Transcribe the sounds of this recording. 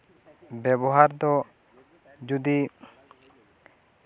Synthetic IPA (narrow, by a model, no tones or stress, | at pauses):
bɛbɔɦaɾd̪ɔ | d͡ʒud̪i